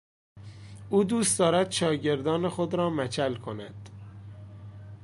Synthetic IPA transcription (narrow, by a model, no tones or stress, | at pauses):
ʔuːd̪uːst̪d̪ɒːɾæd̪̥ʃɒːɟe̞ɾd̪ɒːnexod̪ɾɒːmæt͡ʃʰælkʰo̞næd̪̥